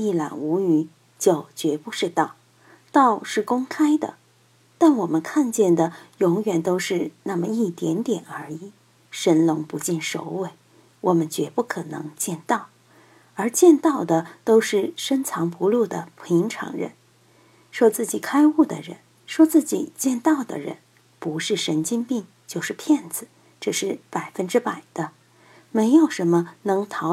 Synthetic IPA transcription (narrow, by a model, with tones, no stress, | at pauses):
i˥˩la̰˨˩nu˧˥y˧˩ | t͡ɕjo˨˩ʊt͡ɕɥɛ˧˥pu˥˧ʂɻ̩˥˧t̪ɑ˥˩ʊ | t̪ɑ˥˧ʊʂɻ̩˥˩kʊ˥ŋkʰa˥ɪd̪ə̰˨ | t̪a˥˩nwɔ˨˩mə˦nkʰa˥˧nt͡ɕjɛ˥˩nd̪ə˩jʊ˧˥ŋjɥɛ˨˩nt̪o˥ʊʂɻ̩˥˧na˥˩mə˩i˥˩t̪jɛ̰˧˥nt̪jɛ˨˩nə˞˧˥i˨˩˦ | ʂə˧˥nlʊ˧˥ŋpu˧˥t͡ɕi˥˩nʂo̰˧˥ʊwe˥˩ɪ | wʔɔ˨˩mə˧˦nt͡ɕɥɛ˧˥pu˥˩kʰɤ˨˩nɤ̰˧˥ŋt͡ɕjɛ˥˧nt̪ɑ˥˩ʊ | ə˞˧˥t͡ɕjɛ˥˧nt̪ɑ˥˩ʊd̪ə˨t̪o˥ʊʂɻ̩˥˩ʂə˥nt͡sʰɑ˧˥ŋpu˧˥lu˥˩d̪ə̰˩pʰi˧˥ŋʈ͡ʂʰɑ̰˧˥ŋɻə̰˧˥n | ʂwɔ˥t͡sɹ̩˥˩t͡ɕi˨˩kʰa˥ɪu˥˩d̪ə̰˩ɻə̰˧˥n | ʂwɔ˥t͡sɹ̩˥˩t͡ɕi˨˩t͡ɕjɛ˥˧nt̪ɑ˥˩ʊd̪ə̰˨˩ɻə̰˧˥n | pu˧˥ʂɻ̩˥˩ʂə˧˥nt͡ɕi˥npi˥˧ŋ | t͡ɕjo˥˧ʊʂɻ̩˥˧pʰjɛ˥˩nd͡zɹ̩˩˦ | ʈ͡ʂɤ˥˧ʂɻ̩˥˩pa˨˩ɪfə˥nʈ͡ʂɻ̩˥pa˨˩ɪd̪̥ə˦ | me˧˥ɪjo˨˩ʊʂə˧˥nmə˧nɤ˧˥ŋt̪ʰɑ˧˥